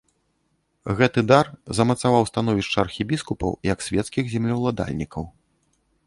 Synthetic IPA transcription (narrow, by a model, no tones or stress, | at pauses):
ɣɛt̪ɨd̪arzɐmɐt̪savawst̪an̪ɔvʲiʂt͡ʂɐɐrxʲibʲiskupɐ̰wijɐksʲvʲɛt̪skʲiɣzʲɛmlʲɐwlˠad̪a̰lʲnʲikɐw